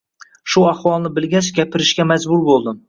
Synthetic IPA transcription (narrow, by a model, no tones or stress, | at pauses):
ʃʊaχwɒlˠnɪbɪlɡʲat͡ʃɡʲapʰɪɾɪʃkʲamad͡ʒbʊɾbolˠd̪ɪm